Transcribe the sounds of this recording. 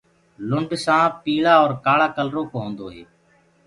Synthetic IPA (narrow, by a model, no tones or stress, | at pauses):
lʊɳɖsãːpiːlaːɔːɾkaːɭaːkəlɾoːkoːɦõːnd̪oːɦeː